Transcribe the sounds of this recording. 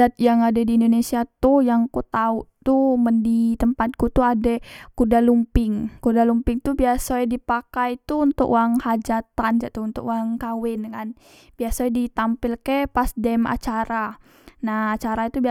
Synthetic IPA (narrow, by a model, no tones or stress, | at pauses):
at̪̚jaŋadadiːndonesiat̪ʊhjaŋkut̪aut̪uməndit̪əmpat̪̚kut̪uadakudalumpɪŋkudalumpɪŋt̪ubiasadipakajt̪uːnt̪ʊ̰kuaŋhad͡ʒat̪and͡ʒat̪uːnt̪ʊkwaŋkawɪnkan | biasajdit̪ampɪlkɛpasdɛma̰t͡ʃaɾa | nahːt͡ʃaɾait̪ubi